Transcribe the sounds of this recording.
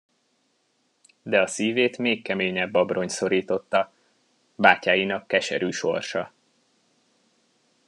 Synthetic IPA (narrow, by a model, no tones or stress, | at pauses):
d̪ɛɒsiːveːt̪meːkːɛmeːɲɛbːɒbro̞ɲso̞ɾiːt̪o̞t̪ːɒ | baːcaːjinɒkːɛʃɛɾyːʃo̞rʃɒ